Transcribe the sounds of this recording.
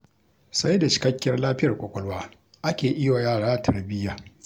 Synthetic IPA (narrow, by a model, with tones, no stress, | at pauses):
sa˦jda˨t͡ʃɪ̥˨kɐ˦kʲːɐ˦rlaː˦ɸɪ˦jɐ˨rkʷʼɔ˨kʷʼɔ˨lwaː˦ | ʔa˦kʲeː˨ʔɪ˦wa˨jaː˦˨ɽaː˦tʰɐ˨rbɪ˦jːaː˨